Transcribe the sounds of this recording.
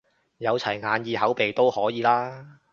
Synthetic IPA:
jɐ˨˧wt͡sʰɐ˨˩jŋaː˨˧njiː˨˧hɐ˨˥wpe˨jt̪o˥whɔː˨˥jiː˨˧laː˥

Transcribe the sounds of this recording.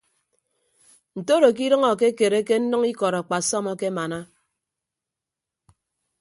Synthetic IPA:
n̩˨to˦ɾo˨k̬i˦ɾɨ˦ŋɔ˨ke˦ke˨ɾe˦ke˦n̩˦nɨ˦ŋi˦kɔ˨ɾɔ˨k͡pa˨sɔ˦mɔ˦ke˦ma˨na˦

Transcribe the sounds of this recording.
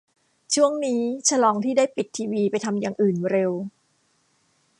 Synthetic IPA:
t͡ɕʰu˥˩əŋniː˦˥t͡ɕʰa˧lɔː˧ŋt̪ʰiː˥˩daː˥˩jpi˨˩t̪ʰːiː˧wiː˧pa˧jt̪ʰa˧mjaː˨˩ŋʔɯː˨˩nɾe˧w

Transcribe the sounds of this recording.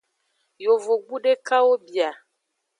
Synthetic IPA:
jo˨vo˨ɡ͡bu˦ɖe˦ka˦wo˦bja˨

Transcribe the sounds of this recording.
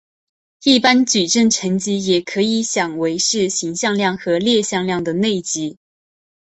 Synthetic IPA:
i˥˩pa˥nt͡ɕy˨˩ʈ͡ʂə˥˩ŋʈ͡ʂʰə˧˥ŋt͡ɕi˧˥jɛ˨˩kʰɤ˧˥i˧˥˦ɕjɑ˨˩ŋwe˧˥ɪʂɻ̩˥˩ɕi˧˥ŋɕjɑ˥˧ŋljɑ˥˩ŋxɤ˧˥ljɛ˥˧ɕjɑ˥˧ŋljɑ˥˩ŋd̪ə˩ne˥˩ɪt͡ɕi˧˥

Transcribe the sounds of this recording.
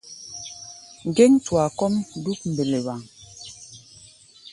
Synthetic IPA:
ŋ̩˨ɡe˦ŋtwa˨kɔ˦m˦du˦k̚m̩˨be˨le˨βa˨ŋ

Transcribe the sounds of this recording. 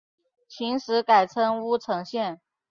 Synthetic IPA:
t͡ɕʰi˧˥ŋʂɻ̩˧˥ka˨˩ɪt͡sʰɤ˥ŋu˥ʈ͡ʂʰɤ˧˥ŋɕjɛ˥˩n

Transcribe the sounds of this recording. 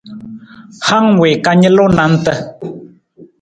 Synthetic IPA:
ha˦ŋwe˨ka˧ɲə̃˦lo˦nã˨˦n̩˦t̪ə˧

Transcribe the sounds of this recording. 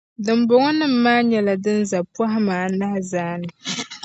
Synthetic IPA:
dɨ˨m˦bʊ˨ŋɔ˦nɨ˦m̩ː˦aː˦ɲɛ˦la˨dɨ˦nza˨pu˦a˦ɦɪ˦maː˨na˦hzaː˦nɨ˨

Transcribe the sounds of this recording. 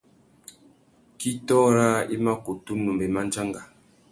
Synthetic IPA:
ki˦tɔ˦ɾa˦i˦ma˦ku˨tu˦nu˨mbe˨ma˦n˦d͡ʒa˦ŋɡa˨

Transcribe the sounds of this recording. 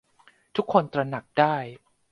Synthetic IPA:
t̪ʰu˦˥kʰːo˧nt̪ɾa˧na˨˩k̚daː˥˩j

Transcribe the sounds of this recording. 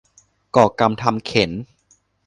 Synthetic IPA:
kɔː˨˩ka˧mt̪ʰa˧mkʰe˩˦n

